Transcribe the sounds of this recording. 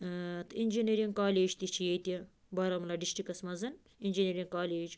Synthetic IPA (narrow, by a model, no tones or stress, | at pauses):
t̪ʰinʲd͡ʒinʲeɾiŋɡkaːlʲeːd͡ʒt̪it͡ʃʰijet̪i | bɐɾɐmlɐɖiʃʈikɐsmɐzɨn | inʲd͡ʒinʲeɾʲiŋkaːlʲeːd͡ʒ